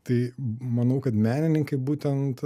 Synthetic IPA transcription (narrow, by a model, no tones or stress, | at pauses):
t̪ɐɪmɐnɐʊkɐt̪mʲæːnʲɪnʲɪŋkɐɪbuːt̪ʲɛnt̪